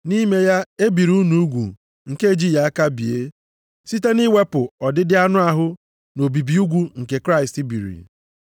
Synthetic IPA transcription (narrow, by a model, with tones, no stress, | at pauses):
ni˦me˦ja˦e˦bi˨ɾu˦u˦nu˨u˦ɡʷṵ˨ | ŋ̩˨ke˦e˨d͡ʒi˦ja˦a˦ka˦bi˨e˦ | si˦te˦ni˦we˦pʊ˨ɔ˨dɪ˦dɪ˦a˦nʊ˦a˦ɦʊ˦ | no˨bi˨bi˨u˦ɡʷu˦ŋ̩˨ke˨kɾa˦ɪ˨sti˦bḭ˨ɾḭ˨